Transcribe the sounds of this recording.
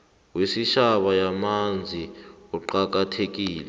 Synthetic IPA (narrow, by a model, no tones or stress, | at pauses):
wesiʃaɓajamand͡zʱiɔǃak̬atʰek̬iːlɛ